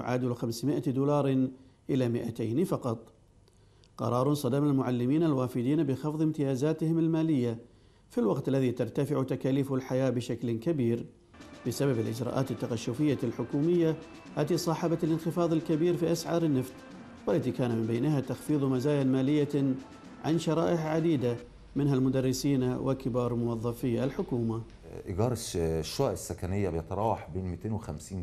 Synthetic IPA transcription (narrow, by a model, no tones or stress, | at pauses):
j̰ʕa̰ːd̪ulxamsmɪʔad̪uːlɑːɾˤʔɪlamɪʔat̪ajnfɑqɑt̪ˤ | qɑ̰ɾˤɑːɾˤsˤɑd̪amalmʊʕalːɪmiːnalwaːfɪd̪iːnabɪxɑfðˤɪmt̪ɪjaːzaːt̪ɪhɪmɪlmaːlɪjːa | filwɑqt̪alːaðit̪ɑɾˤt̪afɪʕut̪akaːliːfʊlħajaːbɪʃaklkabiːɾ | bɪsababɪlʔɪ̰d͡ʒɾɑ̰ːʔaːt̪ɪt̪ːaqaʃːʊfɪjːalħʊkuːmɪjːa | haːt̪isˤɑːħɑbat̪ɪlɪnxɪfɑːðˤɪlkabiːɾfiːʔasʕɑ̰ːɾˤɪnːaft̪ | wɪlːat̪ikaːnamɪmbeːnɦat̪axfiːðˤmazaːjanmaːlɪjːa | ʕa̰nʃɑɾˤɑ̰ːʔɪħʕad̪iːd̪a | mɪnɦalmʊd̪ɑrˤːɪsiːnawʔɪlkɪbɑːɾˤmʊwɑðˤːɑfɪjːalħʊkuːma | ʔɪɡɑɾˤʃʃːwaːʔɪsːakanɪjːabjt̪ˤɾˤɑːwħbeːnmit̪eːnwɪxamsiːn